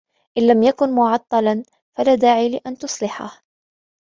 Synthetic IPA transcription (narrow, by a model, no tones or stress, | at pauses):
ʔɪnlamjakʊnmʊʕɑt̪ˤːɑlɑn | falaːd̪aːʕiːlɪʔant̪ʊsˤlɪħa̰h